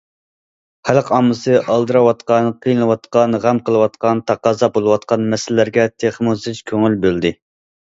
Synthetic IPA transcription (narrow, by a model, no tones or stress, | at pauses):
χælqʰɑmːɨsɨʔɑlˠd̪ɨɾɑwɑt̪qɑnqʰijɨlɨwɑt̪qɑnʁæmqəlˠɨwɑt̪̚qɑnt̪ʰɑqɑːzɑbolˠɨwɑt̪qɑnmɛsɪlːæɾɡʲɛt̪ʰeχmuzɨt͡ʃkʲʰøŋylbøld̪ɪ